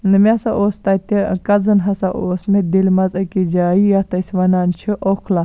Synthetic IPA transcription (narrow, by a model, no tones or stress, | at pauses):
nɨmʲasaʔoːst̪ɐt̪ekɐzɐnɦɐsaʔoːsmed̪ilʲmɐzɐkid͡ʒaːijat̪ɐsʲʋɐnaːnt͡ʃʰiʔokʰla